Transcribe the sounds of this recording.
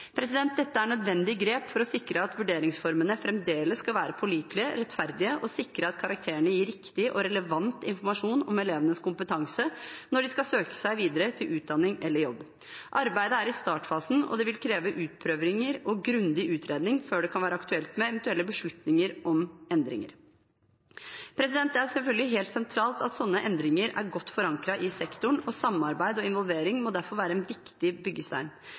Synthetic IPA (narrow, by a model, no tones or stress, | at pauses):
pʰɾɛsɪd̪ɛnt̪̚d̪ɛt̪ːəæɳœd̪ʋɛnd̪ɪɡɾeːpfɔɾɔsɪkɾəɑt̪ʋʉɖeːɾɪŋsfɔɾmənəfɾɛmd̪eːləsːkɑlʋæːɾəpʰɔliːt̪lɪəɾɛt̪fæɾd̪ɪəʔɔsɪkɾəɑt̪kʰɑɾɑk̚t̪ʰeːəɳəjiːɾɪkt̪ɪʔɔɾɛləʋɑnt̪ɪnfɔɾmɑʂuːnɔmɛleːʋənəskʊmpət̪ʰɑŋsənɔɖɪskɑsøːkə̥sæɪʋiːd̪əɾət̪ʰɪlʔʉːt̪̚d̪ɑnːɪŋɛlːəɾjɔbː | ʔɑɾbæɪd̪əæɾɪst̪ɑːʈfɑːsn̩ɔ̰d̪ɛʋɪlkʰɾeːʋəʔʉːt̪̚pʰɾøːʋɾɪŋəɾɔɡɾʉnd̪ɪʔʉːt̪ʰɾeːd̪nɪŋføːɖɛkʰɑnʋæːɾəɑkt̪ʉɛlt̪mɛɛʋɛnt̪ʉɛlːəbəʂɭʉt̪nɪŋəɾɔmɛnd̪ɾɪ̰ŋə̰ɾ | pʰɾɛsɪd̪ɛnt̪æsɛlfœlɡəlɪɦeːlt̪sɛnt̪ʰɾɑːlt̪ɑt̪sɔnːəʔɛnd̪ɾɪŋəɾæ̰ɾɡɔt̪ːfɔɾɑŋkɾɑʔɪsɛkt̪ʊɳɔsɑmːɑɾbæɪd̪ɔɪnʋɔlʋeːɾɪŋmɔd̪æɾfɔɾʋæːɾəɛnʋɪkt̪ɪbʏɡːəst̪æ̰ɪn